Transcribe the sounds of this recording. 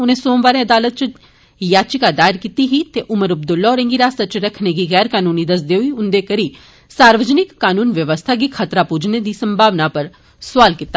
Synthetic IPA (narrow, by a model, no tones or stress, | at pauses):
ʊnẽːsoːmʋaːɾẽːəd̪aːlət̪̚t͡ʃ | jaːt͡ʃɪkaːd̪aːɪɾkit̪iɦiːt̪eʔʊməɾɐb̚d̪ʊlːɔːɾẽŋɡiɾaːsɐt͡ʃɾəkʰneɡiːɣɛːɾkaːnuːniːd̪əs̬d̪eːɦʊiːʊnd̪eːkəɾi | saːɾʋəd͡ʒnɪkːaːnuːnʋjəʋəst̪ʰaːɡiːkʰət̪ɾaːpuːd͡ʒned̪iːsəmbʱaːʋnapəɾ | sʊaːlkɪt̪ːaː